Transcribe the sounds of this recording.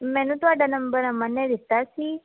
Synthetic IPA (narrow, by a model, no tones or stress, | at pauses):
mɛ̃nũt̪aɖanəmbəɾamənːeɾist̪at͡ʃʰi